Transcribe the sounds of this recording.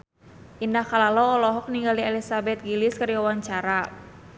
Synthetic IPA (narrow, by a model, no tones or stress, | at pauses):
ʔindahkalalɔːlɔɦɔk̚niŋɡaliɛlisabɛt̪̚ɡilɪskəɾiawaɲt͡ʃaɾa